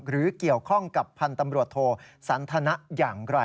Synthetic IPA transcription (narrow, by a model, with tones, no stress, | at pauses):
ɾɯː˩˦ki˨˩əwkʰɔ˥˩ŋka˨˩pʰːa˧nt̪a˧mɾu˨˩ət̪ʰːoː˧sa˩˦nt̪ʰa˧na˦˥ʔjaː˨˩ŋɾa˧˩